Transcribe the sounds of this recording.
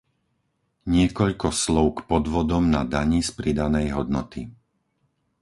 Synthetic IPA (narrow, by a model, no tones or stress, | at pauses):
ɲɪɛkɔʎkɔslɔʊkpɔd̪ʋɔd̪ɔmnad̪aɲispɾid̪anɛjɦɔd̪nɔt̪i